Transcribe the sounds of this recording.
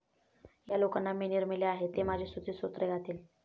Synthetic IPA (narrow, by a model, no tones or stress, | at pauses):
jalokanːaminiɾmileaɦet̪emad͡ʑʱesud̪ʱiːsot̪ɾəɡʱat̪iːl